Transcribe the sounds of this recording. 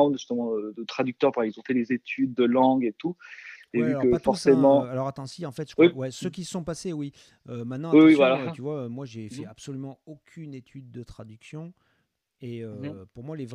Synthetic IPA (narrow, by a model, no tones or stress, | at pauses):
d̪ʒyst̪əmɑ̃əd̪ət̪χad̪yk̚t̪œʁpailzɔ̃fɛd̪ezet̪ʰyd̪̚ːəlɑ̃ɡet̪uevyakəffɔʁssemɑ̃alɔʁat̪ɑ̃siɑ̃fɛt̪ʒ̥wiwɛsəkʲisəsɔ̃pasewi | ømɛ̃t̪nɑ̃wiwivwalat̪yvwaømwaʒefɛapsɔlymɑ̃okʲʰynet̪ʰyd̪̚ːət̪χad̪yksjɔ̃ | eøpuʁmwalev